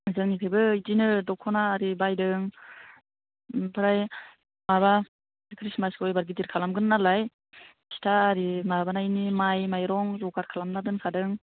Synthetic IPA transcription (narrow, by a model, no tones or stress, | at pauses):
zɯŋnikʰajbɯitinɯdɔkʰːɔnaːɾibajdɯŋ | pʰɯɾaj | maba | kʰɾismaskɔjbaɾɡidiɾkʰalamɡɯnːalaj | si̥tʰaːɾimabanajnimajmajɾɔŋzɔkaɾkʰalamnadɯnkʰadɯŋ